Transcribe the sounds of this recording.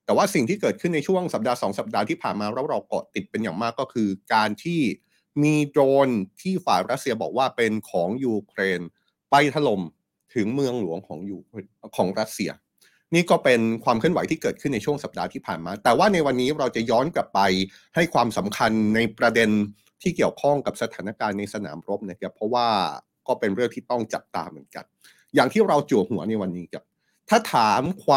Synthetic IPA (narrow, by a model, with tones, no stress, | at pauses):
t̪ɛ˨˩waː˥˩si˨˩ŋt̪ʰiː˥˩kɤː˨˩kʰɯ˥˩nːa˧jt͡ɕʰu˥˩əŋsa˨˩p̚daː˧sɔː˩˦ŋsa˨˩p̚daː˧t̪ʰiː˥˩pʰaː˨˩nmaː˧ɾa˦˥wɾa˧wkɔ̰˨˩t̪i˨˩t̪̚pe˧njaː˨˩ŋmaː˥˩kːɔː˥˩kʰɯː˧kaː˧nt̪ʰiː˥˩ | miː˧doː˧nt̪ʰiː˥˩faː˨˩jɾa˦˥t̪̚si˧ɐbɔ̰ː˨˩k̚waː˥˩pe˧nkʰɔː˩˦ŋjuː˧kʰɾeː˧n | pa˧˥˩jt̪ʰa˧˥lo˧m | t̪ʰɯ˩˦ŋmɯ˧əŋlu˨˩˦əŋkʰɔː˩˦ŋjuː˧ | kʰɔː˩˦ŋɾa˦˥t̪̚si˧ɐ | niː˥˩kɔː˥˩pe˧nkʰwaː˧mkʰɯ˥˩ənwa˨˦jt̪ʰiː˥˩kɤː˨˩t̪kʰɯ˥˩nːa˧jt͡ɕʰu˥˩əŋsa˨˩p̚daː˧t̪ʰiː˥˩pʰaː˨˩nmaː˧t̪ɛː˨˩waː˥˩na˧jwa˧nːiː˦˥ɾa˧wt͡ɕa˨˩jɔː˦˥nkla˨˩pːa˧j | ha˥˩jkʰwaː˧msa˩˦mkʰa˧nːa˧jpɾa˧de˧n | t̪ʰiː˥˩ki˨˩əwkʰɔ˥˩ŋka˨˩p̚sa˧t̪ʰaː˩˦na˧˥˩kaː˧nːa˧jsa˧na̰ː˩˦mɾo˦˥p̚na˦˥kʰa˦˥pʰɾɔ˦˥waː˥˩ | kɔː˥˩pe˧nɾɯ˥˩əŋt̪ʰiː˥˩t̪ɔ˥˩ŋt͡ɕa˨˩p̚t̪a̰ː˧mɯ˩˦ənka̰˧n | jaː˨˩ŋt̪ʰiː˥˩ɾa˧wt͡ɕu˨˩ət̚hu˩˦ɐna˧jwa˧nːiː˦˥kʰa˦˥˩p̚ | t̪ʰaː˥˩t̪ʰaː˨˩˦mkʰwaː˧